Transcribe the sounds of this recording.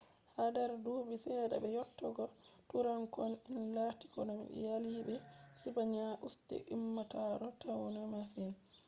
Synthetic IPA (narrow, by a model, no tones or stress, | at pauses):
hadaɾdubisɛːɗa̰bɛjɔtːɔɡɔtuɾankɔninlati̥kɔnam̰jalibɛsibaɲaʔustɛ̰ʔimːataɾɔtawɔnamasin